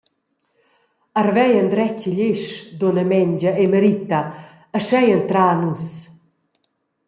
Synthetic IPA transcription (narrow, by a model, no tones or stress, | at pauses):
arvɛjənd̪ɾɛciʎeʃd̪onəmɛɲd͡ʒaeməɾit̪a | əʃɛjənt̪ɾaːnus